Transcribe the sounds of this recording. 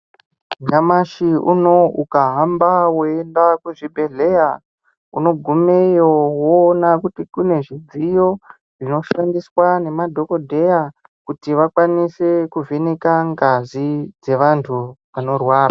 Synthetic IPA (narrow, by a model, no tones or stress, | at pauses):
ɲamaʃiuno̞ʔukaɦambawoendakuʐibʱe̞ɮe̞ja | uno̞ɡʱumejowonakutikune̞ʐid͡zijo̞ | ʐ̥ino̞ʃandiswane̞madʱo̞ko̞dʱe̞ja | kutiʋakwanise̞kuvʱenekaŋɡazid͡ze̞ʋantʰuʋano̞rwaːra